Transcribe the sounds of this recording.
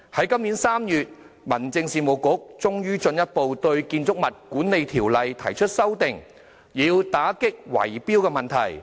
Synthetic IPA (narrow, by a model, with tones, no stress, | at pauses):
hɐ˨˥jkɐ˥mniː˨˥nsaː˥mjyː˨t̚ | mɐ˨˩nt͡sɪ˧ŋsiː˨mo˨˩wkʊ˨˥k̚t͡sʊ˥ŋjyː˥t͡ʃɵ˧njɐ˥t̚po˨˧wt̪ɵ˧ɥkiː˧nt͡sʊ˥k̚mɐ˨t̚kuː˨˥nne˨jt̪ʰiː˨˩wlɐ˨jt̪ʰɐ˨˩jt͡ʃʰɵ˥t̚sɐ˥wt̪ɪ˨ŋ | jiː˨˧wt̪aː˨˥kɪ˥k̚wɐ̰˨˩jpiː˥wkɛː˧mɐ˨˩nt̪ʰɐ̰˨˩j